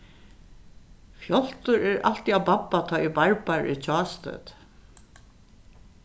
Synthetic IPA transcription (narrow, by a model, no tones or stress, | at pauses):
fjɔl̥t̪ʊɹɛɹa̰l̥t̪iawbapːat̪ʰɔːʔibaɹpaɹʔʏ̰t͡ɕʰɔːst̪œ̰ːt̪